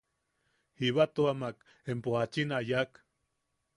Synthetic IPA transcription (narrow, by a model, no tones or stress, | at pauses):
hiβat̪uamak | empohat͡ʃinajak